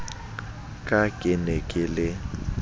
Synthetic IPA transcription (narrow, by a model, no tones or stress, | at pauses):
kʼakʼɪnɛkʼɪlɪ